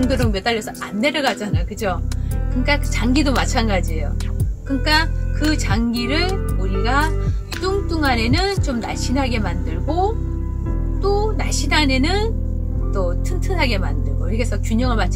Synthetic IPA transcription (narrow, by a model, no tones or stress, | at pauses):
ŋdɯɾɯŋmjʌt͈aɭːʌsʰʌanːe̞ɾʌɡad͡ʑanajokɯd͡ʑokɯnk͈akɯt͡ɕaŋɡidomat͡ɕʰanɡad͡ʑiejokɯɲk͈akɯt͡ɕaŋɡiɾɯɭuɾiɡa | t͈uŋt͈uŋane̞nɯnt͡ɕomna̰ɕʰinɦaɡe̞mandɯɭɡo | t͈onaɕʰinɦane̞nɯn | tʌtʰɯntʰɯnɦaɡe̞mandɯɭɡoɾiɡesʰʌkjuɲʌŋɯɭmat͡ɕʰ